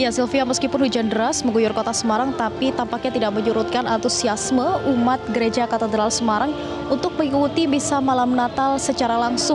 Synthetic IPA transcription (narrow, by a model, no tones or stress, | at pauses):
jasilfiaməskipʊnhud͡ʒandəɾasməŋɡujʊrkot̪asəmaɾaŋt̪apit̪ampak̚ɲat̪idaʔməɲuɾut̪̚kanant̪usiasməumat̪̚ɡəɾed͡ʒakat̪ed̪ɾalsəmaɾaŋ | unt̪ʊk̚məŋikut̪ibisamalamnat̪alsət͡ʃaɾalaŋsʊ